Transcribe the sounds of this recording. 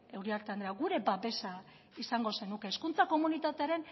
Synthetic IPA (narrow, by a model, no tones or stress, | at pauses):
e̞wɾiaɾt̪eand̪ɾeaɡuɾe̞baβe̞sa | isaŋɡo̞se̞nuke̞ːskunt͡sako̞munit̪at̪e̞aɾe̞n